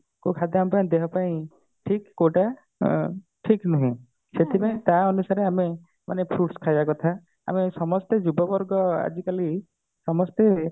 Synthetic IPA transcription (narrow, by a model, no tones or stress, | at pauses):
kukʰad̪aampaĩd̪ekʰɔpaĩ | ʈʰikːoʈa | ʈʰiknɔɦĩ | set̪ʰipaĩt̪aɔnusaɾeame | manepʰɾuʈskʰajbakɔt̪ʰa | a̰mesɔmɔst̪ed͡ʒubɔbɔɾɡɔa̰d͡ʒikali | sɔmɔst̪e